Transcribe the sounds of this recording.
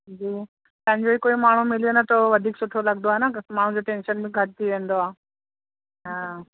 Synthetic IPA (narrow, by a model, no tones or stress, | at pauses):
d͡ʑiː | t̪ɐ̃ɦɪ̃ɲd͡ʑoɦiːkoːimaːɳ̤ũmɪlijonɐt̪oʋɐd̪ʱiːksʊʈʰolɐɡnd̪oaːɦenamaːɳ̤ũd͡ʑoʈẽːnʃənbʱɪ̃ɡʱɐʈɪt̪ʰiʋẽːnd̪oaː | ɦãː